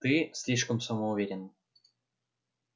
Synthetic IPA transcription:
t̪ɨsʲlʲiʃkə̆msəmouvʲeɾʲɪn

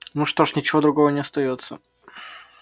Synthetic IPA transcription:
nuʂt̪o̞ʂnʲɪt͡ɕɪvo̞d̪ɾʊɡo̞vənʲɪɐst̪ɐjo̞t̪sːə̰

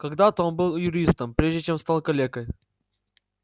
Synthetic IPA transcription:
kɐɡd̪at̪əo̞nbɨlˠjʊɾʲist̪əmpɾʲeʐdʲɪt͡ɕe̞mst̪alˠkɐlʲekəj

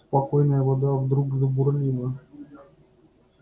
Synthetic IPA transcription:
spɐkojnəjəvɐd̪avd̪ɾuɡzəbʊrlʲilˠə

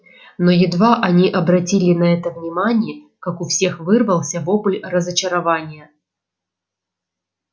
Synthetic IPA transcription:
nojɪd̪vaʔɐnʲiʔɐbɾɐtʲilʲɪnɐɛt̪əvnʲɪmanʲɪjə | kakʊfsʲe̞xvɨrvəlˠsʲəvopʊlʲrəzət͡ɕɪɾɐvanʲɪjə

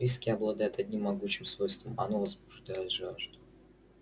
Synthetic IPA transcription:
ɾʲiskʲɪɐblˠɐd̪ajɪt̪ɐdʲnʲimːɐɡut͡ɕɪmsvo̞jst̪vəmɐ̰novəzbʊʐd̪ajɪt̪ʐaʐd̪ʊ

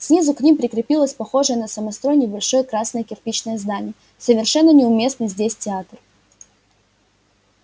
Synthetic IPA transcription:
sʲnʲizʊknʲimpɾʲɪkɾʲɪpʲilˠəsʲpɐxo̞ʐɨjənəsəmɐst̪ɾo̞jnʲɪjbɐlʲʂo̞jəkɾasnəjəkʲɪrpʲit͡ɕnəjəzd̪anʲɪjə | səvʲɪrʂɛnːənʲɪʊmʲe̞snɨjzʲdʲesʲtʲɪat̪r

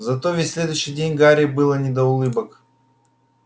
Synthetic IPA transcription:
zɐt̪o̞vʲɪtʲsʲlʲe̞d̪ʊjɕɪjdʲenʲɡaɾʲɪbɨlˠənʲɪd̪əʊlˠɨbək

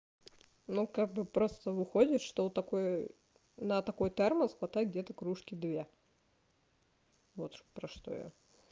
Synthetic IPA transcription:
nukaɡ̚bɨpɾo̞st̪əvɨxodʲɪt̪ʂt̪ot̪ɐkoj | nət̪ɐko̞jt̪ɛrməsxvɐt̪ajʲɡ̚dʲet̪əkɾuʂkʲɪd̪vʲe̞ | vot̪pɾɐʂt̪o̞̰jo̰

